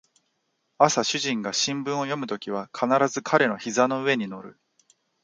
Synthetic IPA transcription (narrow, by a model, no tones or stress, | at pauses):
asaɕɨʑĩŋɡaɕĩmbɯ̃ɰ̃o̞jo̞mɯ̟t̪o̞kʲiβ̞akʰanaɾazɨkʰaɾe̞no̞çizano̞ɯ̟e̞ɲ̟ino̞ɾɯ̟